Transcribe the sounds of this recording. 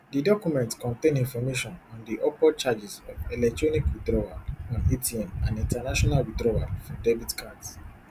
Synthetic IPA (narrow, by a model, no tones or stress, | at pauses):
didɔkumɛ̃ntkɔ̃ntẽnĩnfɔmeʃɔ̃nɔ̃ndiʔɔpɔt͡ʃad͡ʒizɔvɛlɛk̚tɹɔnikwidɹɔaɔ̃nitʰiɛ̃mãnĩntanaʃɔnalwidɹɔafɔdebitkʰads